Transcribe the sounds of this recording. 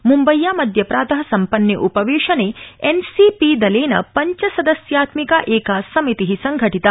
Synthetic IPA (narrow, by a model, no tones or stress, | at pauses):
mumbɐjːaːmɐd̪ʱjɐpɾaːt̪ɐɦɐsɐmpɐnjɐʔupɐʋeːʂɐneensipid̪ɐleːnɐ̰pɐɲt͡ʃɐsɐd̪ɐsjaːt̪mikaʔeːkasɐmit̪iɦisɐŋɡʱɐʈit̪aː